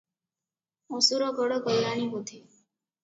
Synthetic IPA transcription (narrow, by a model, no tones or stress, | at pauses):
ɔsuɾɔɡɔɽɔɡɔlɾaniɦot̪ʰi